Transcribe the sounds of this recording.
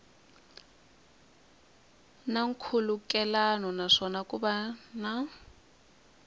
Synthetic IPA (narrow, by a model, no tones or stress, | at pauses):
naŋ̩kʰulukʼɛlanɔnaʂɔnakʼuɓana